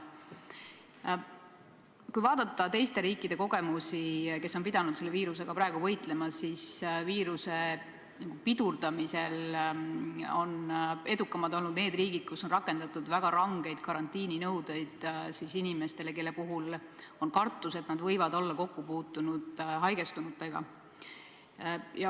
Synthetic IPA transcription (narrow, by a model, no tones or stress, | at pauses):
kujvɑːd̪ɑt̪ːˑɑt̪e̞jst̪e̞ɾiːkːˑid̪̥e̞ko̞ɡ̥e̞musike̞sːo̞npid̪ɑnud̪̥selːiːɾuse̞ɡ̥ɑpɾɑe̞ɡ̥uvɤ̞jt̪ˑle̞mɑsisviːɾuse̞ | nɑɡupid̪̥urd̪ɑmise̞l | o̞ne̞d̪ukːˑɑmɑld̪o̞lnud̪̥ne̞ːd̪riːɡ̥id̪̥̚kusːo̞nrɑkːˑe̞nd̪̥ɑt̪ːˑud̪̥væɡ̥ɑɾɑŋɡ̥e̞jd̪̥kɑɾɑnt̪ːˑiːninɤwd̪̥e̞jd̪̥sisinime̞st̪e̞le̞ke̞lːe̞puɦulo̞nkɑrt̪ˑːuse̞t̪ˑnɑd̪vɤjvɑd̪o̞lːɑko̞kːupuːt̪ːˑunud̪ɦɑjɡe̞st̪unut̪ːˑeɡ̥ɑ̰ | jɑ